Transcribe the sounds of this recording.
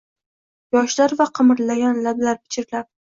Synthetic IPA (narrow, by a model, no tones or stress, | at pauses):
jɒʃlaɾvaqʰɨmɪɾlajʲɒnlablaɾpʰɪ̥t͡ʃʰɪɾlap̚